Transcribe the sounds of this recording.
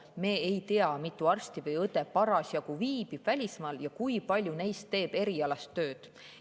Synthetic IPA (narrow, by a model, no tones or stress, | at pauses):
me̞ːejt̪eɑmit̪ːˑuɑrst̪ivɤjɤd̪epɑɾɑsjɑkuviːb̥ib̥vælʲismɑːljɑkujpɑlʲjune̞jst̪ːe̞ːb̥e̞ɾiɑlɑst̪ːø̞ːd̪̥